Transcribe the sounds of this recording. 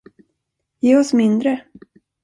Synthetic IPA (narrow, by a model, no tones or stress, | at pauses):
jeːɔsmɪnd̪ɾə